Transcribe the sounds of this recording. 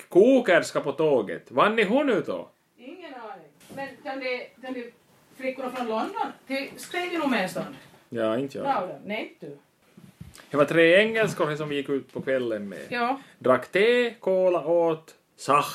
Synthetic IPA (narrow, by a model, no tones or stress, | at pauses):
kʰuːkəɾskapɔt̪oːɡə̰t̪vanːɪɦʊnʉ̟ːt̪ɔ̰ | ɪŋːənɑːɳɪŋmɛnkand̪ɛkʰand̪ɛ | flɪkːʊnafɾɔnlɔnd̪ɔnt̪ʰɪlskɾɛːvəɾʊmɛnst̪ɔnd̪jɑːɪnt̪ːad̪ɛnɛd̪ʉ | d̪ɛvat̪ʰɾeːɛŋːəlskəɾɛsɔmvɪjɪkːʉ̟ːt̪̚pʰɔkʰvɛlːənmɛ̰jːd̪ɾakːt̪ʰeːkʰoːlaʔoːt̪ | sax